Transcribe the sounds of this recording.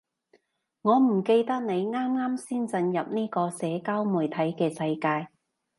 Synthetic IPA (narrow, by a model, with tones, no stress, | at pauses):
ŋɔː˨˧m̩˨˩ke˧jt̪ɐ˥k̚ne˨˧jŋaː˥mŋaː˥msiː˥nt͡sɐ˧njɐ˨p̚niː˥kɔː˧sɛː˨˥kaː˥wmuː˨jt̪ʰɐ˨˥jkɛː˧sɐ˧jkaː˧j